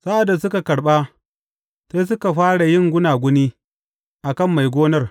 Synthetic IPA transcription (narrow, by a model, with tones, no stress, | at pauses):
sa˦ʔa˨da˨s̬ʊ˦ka˨kɐ˨ɽɓaː˦ | se˦s̬ʊ˦ka˨ɸaː˦ɽa˨jɪ˦ŋɡʷʊ˦naː˨ɡʷʊ˦niː˦ | ʔa˨kɐ˦mːa˨jɡʷoː˦nɐ˦r